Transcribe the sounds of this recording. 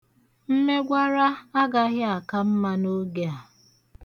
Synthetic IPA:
n̩˦ne˦ɡʷa˦ɾa˦a˦ɡa˦ɣɪ˦a˨ka˦m̩˦ma˦no˦ɡe˨a˨

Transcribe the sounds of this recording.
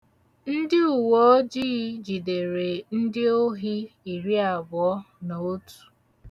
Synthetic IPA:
n̩˦dɪ˦u˨wo˦o˦d͡ʒi˦d͡ʒi˨de˨ɾe˨n̩˦dɪ˦o˦ɦi˦i˨ɾi˦a˨bʊ˨ɔ˦ | na˨o˦tu̥˨

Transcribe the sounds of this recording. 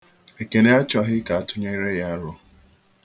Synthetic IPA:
e˨ke˨ne˦a˦t͡ʃɔ˨ɦɪ˦ka˨a˨tʊ˦ɲe˦i˦ɾe˦ja˦a˦ɾʊ˦

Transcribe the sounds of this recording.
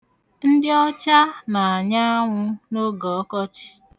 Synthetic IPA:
n̩˦dɪ˦ɔ˦t͡ʃa˦na˨a˨ɲa˦ŋʷʊ˦no˦ɡɔ˨ɔ˦kɔ˦t͡ʃi̥˨

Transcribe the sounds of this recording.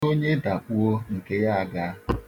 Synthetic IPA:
o˦ɲe˦da˨k͡pu˦o˦ŋ̩˨ke˦ja˦a˨ɡa˦

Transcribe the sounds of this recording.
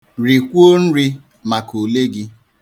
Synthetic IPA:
ɾi˨kʷo˦n̩˦ɾi˦ | ma˨ko˨le˦ɡɪ˦

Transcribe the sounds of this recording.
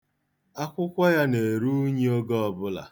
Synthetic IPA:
a˦kʷʊ˦kʷa˦ja˦ne˨ɾu˦ɲe˦o˦ɡɔ˦ɔ˨bʊ˦la̰˨

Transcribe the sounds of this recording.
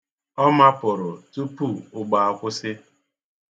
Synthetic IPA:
ɔ˦ma˦pʊ˨ɾʊ˨tu˦pu˦˨ʊ˨ɡ͡ba˨a˨kʷʊ˦sɪ˦

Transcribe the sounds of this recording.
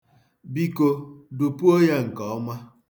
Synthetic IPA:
bi˦ko˦du˨pu˦o˦ja˦ŋ̩˨kɔ˨ɔ˦ma˦

